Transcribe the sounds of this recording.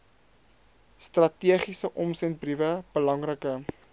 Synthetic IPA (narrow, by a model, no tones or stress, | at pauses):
strɐtiəχisəʔɔmsɛnt̚brivəb̥əlɐŋrəkə